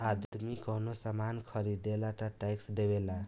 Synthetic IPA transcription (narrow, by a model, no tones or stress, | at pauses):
ad̪mikʌnosʌmankʰʌɾid̪elaʈaʈajksd̪ebela